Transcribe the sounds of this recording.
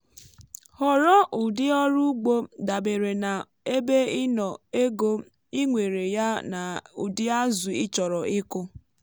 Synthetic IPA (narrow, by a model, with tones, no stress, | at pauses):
hɔ˨ɾɔ˦ʔu˨dɪ˦ɔ˦ɾu˦ɡ͡bo˦da˨be˨ɾe˨na˨ | e˦be˦ɪ˦nɔ˨e˦ɡo˦ | i˦ŋʷe˨ɾe˨ja˦na˨u˨dɪ˦a˦zʊ˨ɪ˦t͡ʃɔ˨ɾɔ˨ʔɪ˦kʊ˦